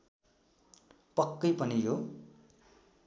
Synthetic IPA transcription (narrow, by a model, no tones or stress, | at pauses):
pʌkːʌjpʌnijo